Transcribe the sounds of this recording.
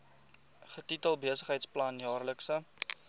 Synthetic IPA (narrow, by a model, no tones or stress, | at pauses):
χətitəlˠbiəsəχɦəjtsplɐnjɑːrləksə